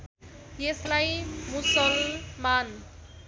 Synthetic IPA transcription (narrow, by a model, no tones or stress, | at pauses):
jeslajmusʌlman